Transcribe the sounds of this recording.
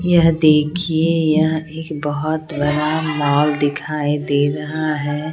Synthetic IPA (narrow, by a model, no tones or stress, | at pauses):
jɐɦd̪eːkʰiejɐɦeːkbɐɦʊt̪bɐɾamɔːld̪ɪkʰaːid̪eːɾɐɦaɦɛː